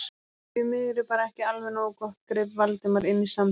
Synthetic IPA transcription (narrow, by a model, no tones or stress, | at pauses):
ɪmɪðɾɪpaːɾaɛhcɪalvɛnoːwkɔht̪kɾɪːpvalt̪ɪmaɾɪnːisam